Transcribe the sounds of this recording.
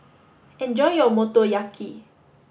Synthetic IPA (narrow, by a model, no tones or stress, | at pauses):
ɛ̃nd͡ʒɔjjɔmɔt̪ɔjakʰi